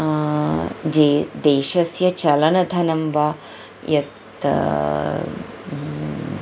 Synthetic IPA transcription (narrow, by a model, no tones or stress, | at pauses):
d͡ʒeːd̪eːʃɐsjɐt͡ʃɐlɐnɐd̪ʱɐnɐmʋaː | jɐt̪